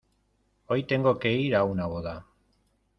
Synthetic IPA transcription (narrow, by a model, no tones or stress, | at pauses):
o̞jt̪e̞ŋɡo̞keiɾawnaɣoða